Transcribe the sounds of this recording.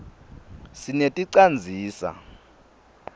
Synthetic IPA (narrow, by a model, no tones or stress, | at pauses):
sinetʼiǀand͡zʱiːsa̰